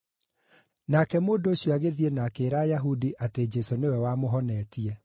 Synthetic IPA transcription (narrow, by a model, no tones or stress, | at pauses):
nakɛmoːndooɕjoaɣeðienaːkeːɾaːjaɦudiʔated͡ʒɛsonewɛwamoɦɔnɛtiɛ